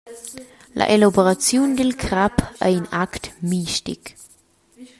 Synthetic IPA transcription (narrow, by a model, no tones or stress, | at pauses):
lʔa̰ʔelaboɾat͡sjundilkʰɾapə̰inaktmiʃtḭk